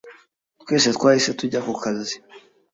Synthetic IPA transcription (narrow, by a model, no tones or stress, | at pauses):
t̪weːset̪kwaːisetuɟakukʰazi̥